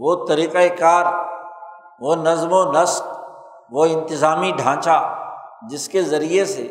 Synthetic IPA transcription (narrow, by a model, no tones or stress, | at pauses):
ʋoːt̪ɐɾiqaekaːɾ | ʋonɐzmonɐsk | ʋoɪ̃nt̪ɪzaːmiɖʱãːt͡ʃad͡ʒɪskezɐɾiesḛ